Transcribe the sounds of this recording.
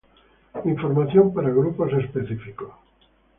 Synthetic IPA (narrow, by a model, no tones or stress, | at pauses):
iɱfoɾmaθjompaɾaɣɾupos̬espeθifiko